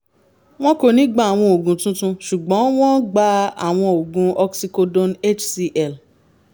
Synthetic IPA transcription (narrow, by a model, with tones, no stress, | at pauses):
w̃ɔ̃˦ko˧nĩ˨˦ɡ͡ba˦˨a˨w̃ɔ̃˧o˨ɡũ˨˦tũ˦tũ˧ʃu˨ɡ͡bɔ̃˨˦w̃ɔ̃˦ɡ͡ba˧a̰˨w̃ɔ̃˧o˨ɡũ˨˦ɔ˧ksi˧ko˧dõ˧ne˦t͡ʃsi˧ʔɛ˦˨l